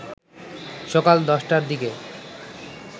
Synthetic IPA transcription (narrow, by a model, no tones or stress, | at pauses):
ʃɔkald̪ɔʃʈaɾd̪ike